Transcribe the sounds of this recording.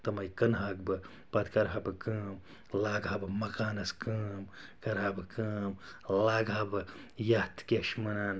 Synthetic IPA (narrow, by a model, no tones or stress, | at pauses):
t̪ɐmɐjkɐnɦaːɡ̚bɨ | pɐt̪kɐɾɦabɨkɨːm | laːɡʱɐbɨmɐkaːnɐskɨːmkɐɾɦabɨkɨːmlaːɡabɨ | jaht̪ʰkʲeʃmɐnaːn